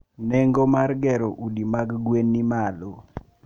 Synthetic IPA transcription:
nɛŋɡomarɡɛɾoʔudimaɡɡwenːimalo

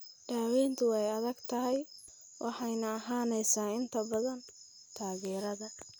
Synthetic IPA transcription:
ɖ̥aːwɛːnt̪ʰʊwɛjɐðɐɡt̪ʰɐɦɛj | wʔɑħɑjnɐːɦaːnɛjsaːɪnt̪ʰɐbɐðɐn | t̪ʰaːɣɛːɾɐðɐ

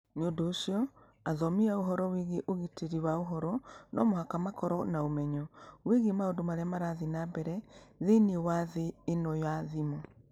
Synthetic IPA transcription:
neondoːsiɔ | aðɔmiaoɦɔɾɔwiɣeʔoɣiteɾiwaoɦɔɾɔnɔmohakamakɔɾɔnaomɛɲɔweɣemaondomaɾeamaɾaðinabɛɾɛðeniwaðeːnɔjaðimɔ

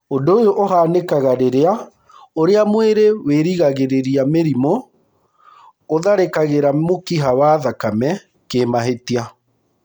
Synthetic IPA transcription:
ondoojoʔoɦaːnekaɣaɾeɾea | oɾeamweɾeweɾiɣaɣeɾeɾiameɾimo | ðaɾekaɣeɾamokiɦawaðakamɛ | kemaɦetia

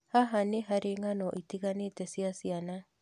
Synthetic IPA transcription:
haɦaneɦaɾeŋanoʔit̪iɣanet̪esiasiana

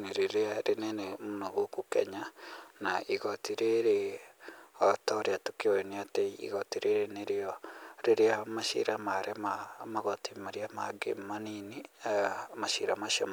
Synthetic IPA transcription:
neɾeɾeaɾʔenɛnemunoɣokukḛɲanaʔiɣotiɾeɾe | otɔɾeatukeoeneateiḭɣotiɾeɾeneɾeɔɾeɾeamaʃḭɾamaɾemamaɣotimaɾiamaɡḛmanini | maʃiɾamaʃa̰m

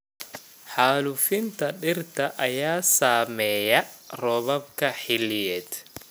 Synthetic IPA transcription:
ħaːlʊfɪnt̪ʰɐɖɪrt̪ʰɐʔɐjaːsaːmɛːjɐrɔβɐb̚kʰɐħɪlɪjɛːd̪

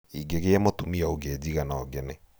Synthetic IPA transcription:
iɡeɣeɛmɔtumiaoɡɛːd͡ʑiɣanaɔɡɛnɛ

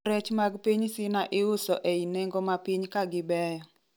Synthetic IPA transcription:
ɾɛt͡ʃmaɡpiɲsɪnaʔɪʊsɔʔeinɛŋɡɔmapiɲkaɡɪbɛjɔ

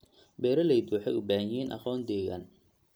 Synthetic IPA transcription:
bɛːɾɐlɛjd̪uːħɛjʊbaːhjiːnʔɑ̰xɔːnd̪ɛːɣa̰n

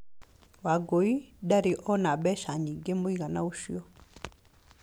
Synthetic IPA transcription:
waɡoidaɾiʔɔnaɓɛʃaɲiɡemoiɣanauʃiɔ

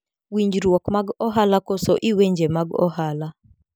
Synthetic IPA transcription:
wiɲd͡ʒɾwɔkmaɡɔɦalakosɔʔiweɲd͡ʒemaɡɔ̰hala

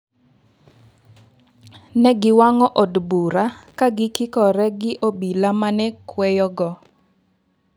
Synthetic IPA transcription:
nɛɡɪwaŋɔʔɔdbuɾakaɡɪkɪkɔɾɛɡɪʔobilamanɛkwɛjɔɡɔ

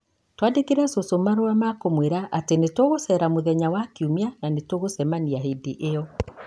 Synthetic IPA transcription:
twandekeɾɛsosomaɾoamakomweɾaʔatenetwoɣosɛɾamoðɛɲawakiumeananetoɣosɛmaniaɦedeʔeɔ

